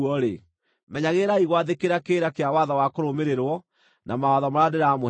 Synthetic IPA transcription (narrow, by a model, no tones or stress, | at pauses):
ɔɾḛ | mɛɲaɣeɾaiɣwaðekeɾakeɾakeawaðɔwakoɾomeɾeɾwɔ | nʔamawaðɔmaɾadeɾaːmo